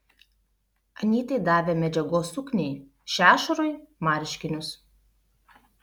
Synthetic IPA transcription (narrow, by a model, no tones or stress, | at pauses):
ɐnʲiːt̪ɐɪd̪ɑːʋʲeːmʲɛd͡ʒʲɛɡoːsʊknʲɛɪ | ʃʲæːʃɐɾoːjmɑːɾʲʃʲkʲɪnʲʊs